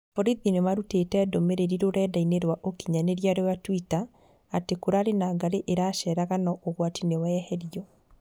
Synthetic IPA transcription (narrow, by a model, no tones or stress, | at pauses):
fɔɾiðinemaɾuteːtɛːdomeɾeɾiɾoɾɛːdaineɾwaʔokiɲaneɾjaɾewatwitaː | tekoɾaɾenaːɡaɾeʔeɾaːʃɛɾaɣanɔʔoɣwatinewɛhɛɾiɔ